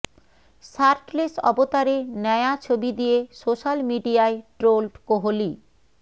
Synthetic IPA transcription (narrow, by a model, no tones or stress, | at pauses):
saɾʈlesɔ̰bot̪aɾenɛjat͡ɕʰobid̪ijesoʃalmiɖiaeʈɾolʈkoɦoli